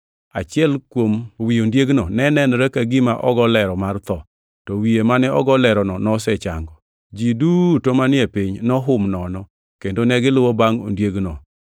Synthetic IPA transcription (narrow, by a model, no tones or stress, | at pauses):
a̰t͡ʃɪɛlkwomwiondjeɡnɔnɛnɛnɾɛkaɡɪmaʔɔɡɔlɛɾɔmart̪ɔ | tɔwiemanɛɔ̰ɡɔlɛɾɔnɔnɔsɛt͡ʃa̰ŋɡɔ | d͡ʒidutomanɪɛpiɲnɔɦʊmnɔnɔ | kendonɛɡɪlʊwɔbaŋo̰ndjeɡnɔ